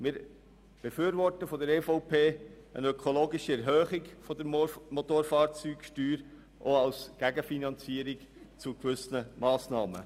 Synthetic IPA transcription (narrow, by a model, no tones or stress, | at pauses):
mɪːɾ | b̥efyːɾʋɔɾtəfɔd̪əɾɛfɔʊpeːənœkʰoloːɡɪʃiɛɾɦœːχɪkfɔd̥̪əɾmot̪oːɾfɑːɾt͡syːkʃtyːɾ | ʔoɑlsɡ̥æɡəfinɑnt͡siəɾɪk | t͡sukʋʏsnəmɑːsnɑːmə̰